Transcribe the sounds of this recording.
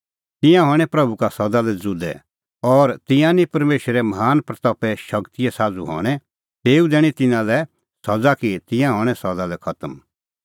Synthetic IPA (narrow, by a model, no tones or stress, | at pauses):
t̪ɪ̃jãɦɔːɽ̃ɛ̃pɾɐbukasɐd̪alɛd͡zʊd̪ɛ̰ | ɔːɾt̪ɪ̃jãnipɐɾmeːʃɾɛmɦaːnpɾɐt̪ɔpɛʃɐkt̪ijɛsaːd͡zṵɦɔ̰ːɽ̃ɛ | t̪eːud̪ɛːɽ̃it̪ɪnãlɛ | sɐd͡zakit̪ɪ̃jãɦɔ̃ːɽ̃ɛsɐd̪alɛkʰɐt̪əm